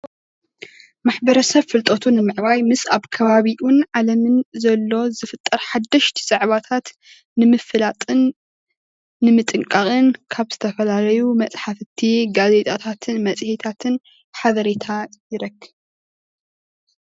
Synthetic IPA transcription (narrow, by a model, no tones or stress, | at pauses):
maħbɐɾɐsɐβfɨlt̪ʼot̪ʰunɨmɨʕβajmɨsaβkʰɐβaβiʔunʕalɐmɨnzɐlːo̞zɨfɨt̪ʼːɐɾħad̪ːɐʃt̪ʰi̥z̥ʼaʕβat̪ʰat̪ | nɨmɨfɨlat̪ʼɨn | ɨmɨt̪ʼɨŋkʼaχʼɨnkʰaβz̥ɨt̪ʰɐfɐlalɐjumɐt͡sʼħafɨt̪ʰiɡaze̞t̪ʼat̪ʰat̪ʰɨnmɐsʼhit̪ʰat̪ʰɨn | ħaβɐɾet̪ʰajɪɾɐɡɨ